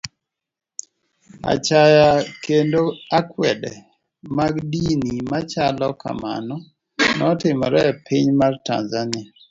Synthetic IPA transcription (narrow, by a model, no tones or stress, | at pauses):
a̰t͡ʃajakendoakwɛdɛ̰ | maɡdinimat͡ʃalɔka̰ma̰nɔ | nɔtɪmɔɾɛpʰiɲmarta̰nzania